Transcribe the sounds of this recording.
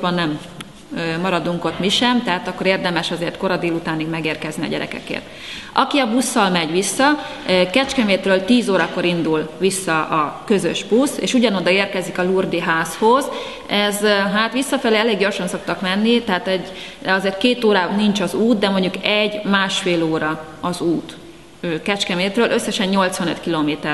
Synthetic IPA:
bɒnːɛm | ømɒɾɒd̪uŋko̞t̪miʃɛmt̪ɛɦaːt̪ɒkːo̞ɾeːrd̪ɛmɛʃɒzeːrt̪ko̞ɾɒd̪eːlut̪aːniɡmɛɡeːrkɛzniɒ̰ɟɛɾɛ̰kɛ̰kḛːrt̪ | ɒkiɒbusːɒlmɛɟʋisːɒ | kɛt͡ʃkɛmeːt̪røːlt̪iːzoːɾɒkoɾind̪ulʋisːɒʔɒkø̞zøʒbusḛːʃuɟɒnod̪ɒeːrkɛzikɒlurd̪iɦaːsho̞z | ɛzɦaːt̪ʋisːɒfɛleːɛleːɡɟo̞rʃɒnso̞k̚t̪ɒkmɛnːit̪ɛɦaːt̪ɛɟɒzeːrt̪̚keːt̪oːɾaːnint͡ʃɒzuːt̪̚d̪ɛmoɲɟukɛɟmaːʃfeːloːɾɒ | ɒzuːt̪ | øːkɛt͡ʃkɛmeːt̪røːlʔø̞sːɛʃɛɲɲo̞lt̪sʋɒnø̰t̪kiloːmeːt̪ɛr

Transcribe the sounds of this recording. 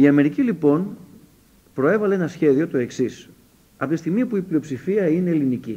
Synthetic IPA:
iɐme̞ɾicilipo̞n | pɾo̞e̞vɐleenɐsçe̞ðio̞t̪o̞e̞ksis | ɐpot̪ist̪iɣmiɐpuiplio̞psifiɐine̞ːlinici

